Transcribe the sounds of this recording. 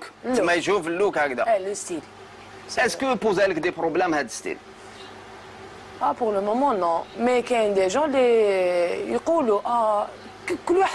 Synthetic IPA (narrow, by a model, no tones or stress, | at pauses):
klmæjʒufəlːukʕækd̪æ̰ləst̪il | æskəpuzæləkd̪epɾoblɛmhæd̪əst̪ḭl | ʔæpuʁləmɔmɑ̃nɔ̃mɛkæənd̪eʒɑ̃le | jquluʔæ | kkəlːwaħ